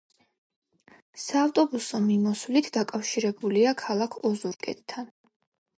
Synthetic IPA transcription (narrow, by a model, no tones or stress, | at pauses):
saːft̪ʼɔbusɔmimɔsvlit̪ʰd̪akʼafʃiɾɛbuliakʰalˠakʰɔzuɾkʼɛ̰t̪ʼt̪ʰːan